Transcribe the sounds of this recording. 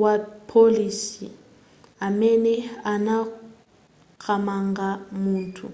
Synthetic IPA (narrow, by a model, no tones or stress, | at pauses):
wapʰoliːsḭ | amɛnɛana | kʰamaŋɡʱamuːntʰṵ